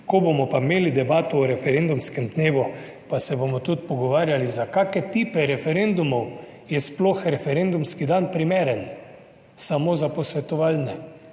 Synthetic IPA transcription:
kɔbomɔpameːlid̪ɛbaːt̪ɔːɾɛfɛɾend̪umskɛmd̪neːʋu | pasɛbomɔt̪ut̪pɔɡɔʋaːɾjalizakaːkɛt̪iːpɛɾɛfɛɾend̪umɔw | jɛsploxɾɛfɛɾend̪umskid̪anpɾimeːɾɛn | samozapɔsʋɛt̪ɔʋalnɛ

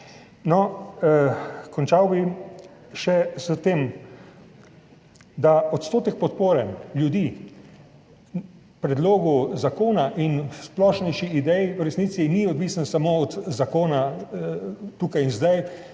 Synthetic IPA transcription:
nɔ | kɔnt͡ʃawbi | ʃɛzət̪eːm | d̪aɔt̪st̪oːt̪ɛk̚pɔt̪̚poːɾɛnljud̪iː | pɾɛd̪loːɡuzakoːnaʔinsplɔːʃnɛjʃiid̪ɛjɾɛsnitsiniɔd̪ʋiːsansamoɔt̪zakoːna | t̪uːkajinzd̪aj

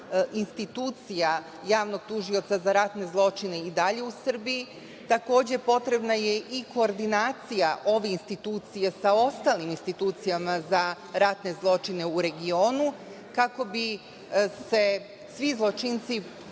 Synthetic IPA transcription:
inst̪it̪uːt̪sija | jaːʋno̞ɡ̥̚t̪uʒio̞t̪sazaɾat̪ne̞zlˠo̞t͡ʃine̞id̪aʎe̞usr̩biji | t̪ako̞ːd͡ʑe̞po̞t̪ɾe̞bnaje̞ʔiko̞ːɾd̪inaːt̪sijaʔo̞ʋeinst̪it̪uːt̪sijesao̞st̪aːliminst̪it̪uːt̪sijamaza | ɾat̪ne̞zlˠo̞t͡ʃine̞uɾe̞ɡio̞ːnu | kako̞bi | se̞ | sʋizlˠo̞t͡ʃint̪si

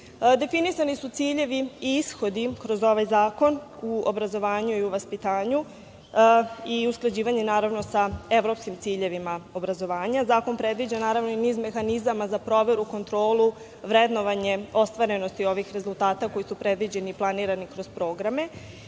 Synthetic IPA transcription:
d̪e̞finisanisut̪siːʎe̞ʋiisxo̞d̪ikɾo̞zo̞ʋajzaːko̞nuobɾazo̞ʋaːɲuiuʋaspit̪aːɲu | iusklˠad͡ʑiːʋaɲe̞naːɾaʋno̞saeʋɾo̞pskimt̪siːʎe̞ʋimao̞bɾazo̞ʋaːɲazaːko̞npɾe̞d̪ʋid͡ʑanaːɾaʋno̞iniːzme̞xanizamazapɾo̞ʋe̞ɾuko̞nt̪ɾo̞ːlˠu | ʋɾed̪no̞ʋaɲe̞o̞st̪ʋaɾe̞no̞st̪io̞ʋixɾe̞zulˠt̪aːt̪ako̞jisupɾe̞d̪ʋid͡ʑe̞niːplˠaniːɾanikɾo̞z̥pɾo̞ːɡɾame̞

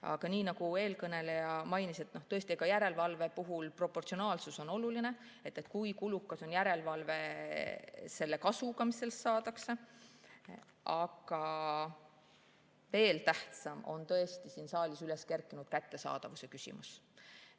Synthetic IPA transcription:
ɑ̰ɡ̥ɑniːnɑɡ̥ue̞ːlkɤne̞lejɑmɑjnise̞t̪ːno̞ht̪ɤ̞e̞st̪ieɡ̥ɑjæɾe̞lvɑlve̞puɦulpro̞pːˑo̞rt̪sio̞nɑːlsuso̞no̞luline̞ | e̞t̪ːˑet̪kujkulukːˑɑso̞njæɾe̞lvɑlve̞ | se̞lːe̞kɑsuɡ̥ɑmise̞lsːɑːd̪̥ɑkse | ɑɡ̥ɑ | ve̞ːlt̪æht̪sɑmo̞̰nt̪ɤ̞e̞st̪isiːnsɑːlisyle̞ske̞rkːˑinud̪̥̚kæt̪ːe̞sɑ̰ːd̪̥ɑvusekysʲḭmus

